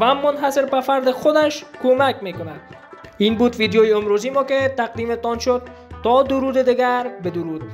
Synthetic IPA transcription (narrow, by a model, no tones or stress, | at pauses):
vamːonɦaseɾbæfæɾd̪exod̪æʃkomækmeːkonæd̪ | iːnbuːd̪vid̪jɔːjeomɾoːziːmɔːket̪æqd̪iːmet̪ɒnʃod̪̚ː | ɒd̪ʊɾud̪ed̪iɡæɾbed̪ʊɾuːd̪̥̚